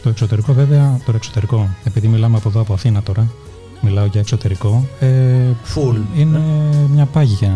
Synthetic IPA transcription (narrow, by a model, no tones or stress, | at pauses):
t̪o̞e̞kso̞t̪e̞ɾiko̞veveɐt̪o̞ɾɐeksot̪e̞ɾiko̞e̞piðimilɐmeɐpo̞ðoɐpoɐθinɐt̪o̞ɾɐ | milɐo̞ʝɐe̞kso̞t̪e̞ɾiko̞efuline̞mɲɐpɐʝʝɐ